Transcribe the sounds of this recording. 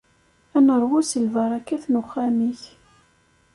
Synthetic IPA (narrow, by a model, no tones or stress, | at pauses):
ænəɾˤwʊsəlvɑɾˤɑkːæθnʊχːæmiç